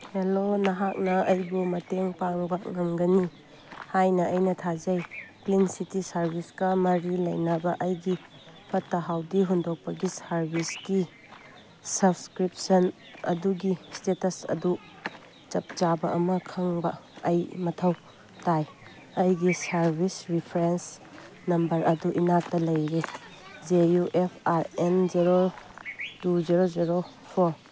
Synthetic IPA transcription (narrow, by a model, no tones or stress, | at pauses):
helonɐɦak̚nɐɐjbumɐteŋpaŋbɐŋɐmɡɐni | hajnɐɐjnɐtʰad͡ʒɐjklinsitisɐɾbʱiskɐmɐɾilɐ̰jnɐbɐʔɐjɡi | pʰɐtːɐɦawdiɦundok̚pɐɡisɐɾbisɡi | sɐbskɾipsɐn | ɐ̰duɡistetɐsɐ̰du | t͡ʃɐp̚t͡ʃabɐɐmɐkʰɐŋbɐɐjmɐtʰɐw | taj | ɐjɡisɐɾbisɾipʰɐɾens | nɐmbɐɾɐduʔinak̚tɐlɐjɾed͡ʒejuʔepʰaɾend͡ʒiɾo | tud͡ʒiɾod͡ʒiɾo | pʰoɾ